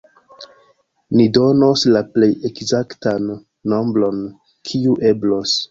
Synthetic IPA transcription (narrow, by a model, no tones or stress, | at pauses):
nido̞noslaple̞jekzaktanː | o̞mbɾo̞n | kʰiuʔe̞blo̞s